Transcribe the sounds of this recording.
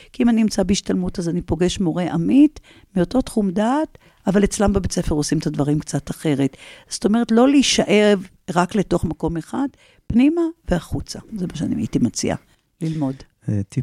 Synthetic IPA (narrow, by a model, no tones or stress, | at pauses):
kiimaninimt͡sabeiʃtalmutazanipo̞ɡe̞ʃmo̞ʁe̞ʔamit | mio̞to̞tχumdaːt | avalet͡slambebet͡sefeʁo̞simetadvaʁimkt͡sataχe̞ʁetz̥oto̞me̞ʁ̞etlo̞leiʃaʔe̞v | ʁakle̞to̞χmako̞meχad | pnimaveaχut͡sazemaʃeanḭma̰itimat͡sḭa̰ | lilmo̞d | eti